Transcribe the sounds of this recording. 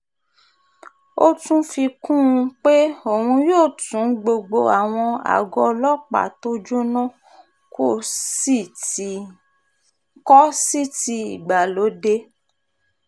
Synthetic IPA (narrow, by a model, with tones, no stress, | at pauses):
o˦tũ˦fi˧kũ˦˧k͡pe˦o˨hũ˧joː˦˨tũ˨˦ɡ͡bo˧ɡ͡bo˧a˨w̃ɔ̃˧a̰˨ɡɔ˧lɔ˦k͡pa̰˨to˦d͡ʒo˦nã˦˨ | ko˦˨si˦˨ | kɔ˦si˦ti˧ḭ˨ɡ͡ba˨lo˨˦de˧